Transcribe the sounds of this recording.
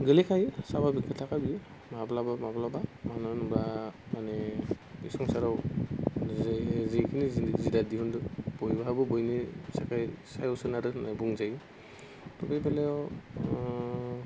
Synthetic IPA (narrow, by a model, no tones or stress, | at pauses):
ɡelikʰajsababikʰːatʰakabi | mablabamablabamanɔnbɾa | manɛ | bisɔŋsaɾaw | zejkʰinizzidadiɔndɯb̥ɔjbaɦabɯbɔjnisakajsajɔsɯnaɾɯnajbuŋzaj | tɔbebalɛɔ